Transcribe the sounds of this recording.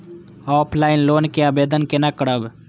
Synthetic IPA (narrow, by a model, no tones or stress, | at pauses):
ɔːpʰlaːɪnloːnkeaːbeːd̪ənkenakəɽəb